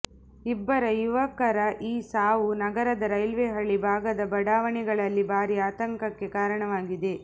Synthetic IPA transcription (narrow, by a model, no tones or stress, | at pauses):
ibːɐɾɐjuʋɐkːɐɾɐʔiːsaːʋunɐɡɐɾɐd̪ɐɾɐjlʋeːɦɐɭːibʱaːɡɐd̪ɐbɐɽaːʋɐɳiɡɐɭɐlːibʱaːɾiaːt̪ɐŋkɐkːe̞kaːɾɐɳɐʋaːɡid̪e̞